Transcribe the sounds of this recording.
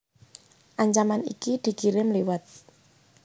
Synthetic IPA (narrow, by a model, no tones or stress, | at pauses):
ʔaɲt͡ʃamanḭkid̪̥i̤kiɾɪmliwat̪̚